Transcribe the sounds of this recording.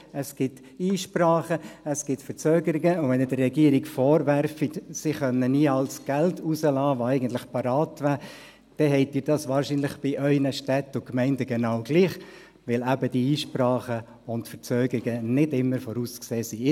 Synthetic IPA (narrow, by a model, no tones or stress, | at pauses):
əsɡ̥ɪt | iːʃprɑːχəəsɡ̥ɪtfəɾt͡søːɡəɾɪɡəʊvɛnɪdərːɛɡiəɾiɡfɔːɾʋæɾfitsiχœnːəniəɑlsɡ̥æltʰusəlɑːʋoɛɪɡən̩tlɪχpɑɾɑːtʋæː | d̥ɛɦɛɪtiːɾdɑsʋɑːɾʃiːnlɪχb̥ɪʔœʏnəʃtɛtːʊkmɛɪndəɡɛnɑːwɡ̥liːχ | ʋɪlæbəd̥iiːʃprɑːχə | ʊntfəɾt͡søːɡəɾɪɡənɪdɪmːəɾfɔɾuːskseːsi